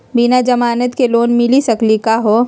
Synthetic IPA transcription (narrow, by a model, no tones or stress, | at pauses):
bɪnad͡ʒɐmaːnət̪keloːnmɪlisɐklikaɦoː